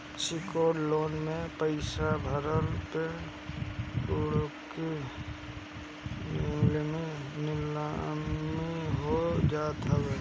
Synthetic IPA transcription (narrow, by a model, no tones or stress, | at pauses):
sɪkoːɽloːnmẽpəɪsabʱəɾəlpe | ʊɽki | lminɪlamiɦod͡ʒaːt̪əwe